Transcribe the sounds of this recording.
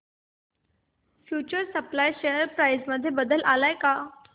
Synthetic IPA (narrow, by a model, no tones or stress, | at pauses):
fjut͡ɕəɾsəplajɕejəɾpɾajzməd̪ʱːjebəd̪əlʔalajka